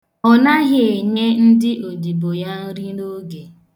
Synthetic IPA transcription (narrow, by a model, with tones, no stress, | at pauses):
ɔ˨na˦ɣɪ˨e˨ɲe˦n̩˦dɪ˦ʔo˨di˨bo˨ja˦n̩˦ɾi˦no˦ɡe˨